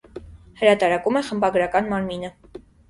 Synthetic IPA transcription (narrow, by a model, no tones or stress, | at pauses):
həɾɑt̪ɑɾɑkumɛχəmbɑɡɾɑkɑnmɑɾminə